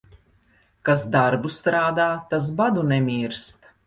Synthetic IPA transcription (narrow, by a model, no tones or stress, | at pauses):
kasd̪aɾbust̪ɾaːd̪aːt̪as̬bad̪unɛmʲiːɾst̪